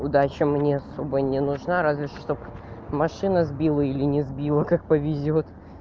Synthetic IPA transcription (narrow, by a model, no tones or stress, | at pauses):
ʊd̪at͡ɕəmnʲeɐsobənʲɪnʊʐnaɾazvʲɪʂt̪opmɐʂɨnəzbʲilˠəilʲɪnʲɪzbʲilˠəkak̚pəvʲɪzʲot̪